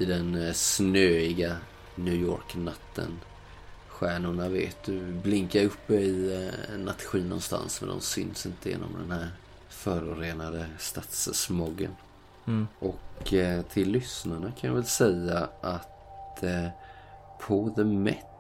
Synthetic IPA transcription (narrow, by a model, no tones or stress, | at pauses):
ɪd̪ɛnsnøːɪɡa | njʉːjo̰ːɾknat̪ʰːə̰n | ɧæːɳʊɳavḛːt̪̚d̪ɵblɪŋkaɾɵpːəɪnat̪ːɧiːnɔ̰nst̪a̰nsmɛ̰nd̪ɔ̰msʏ̰nsɪnt̪əjḛːnɔ̰md̪ɛ̰nhæɾ | fœːɾʊɾeːnad̪əst̪at̪ssmɔɡːə̰n | ʔɔkt̪ʰɪlːʏsnaɳakʰanjɑvɛlsɛjːaʔat̪ | pʰɔðəmɛt̪